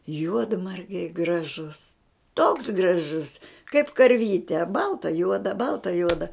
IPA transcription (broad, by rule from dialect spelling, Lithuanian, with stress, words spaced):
ˈjuɔdmɐrʲɡʲɛɪ ɡrɐˈʒʊs toːks ɡrɐˈʒʊs kɐɪp kɐrʲˈʋʲiːtʲɛ ˈbɐlˠtɐ ˈjuɔdɐ ˈbɐlˠtɐ ˈjuɔdɐ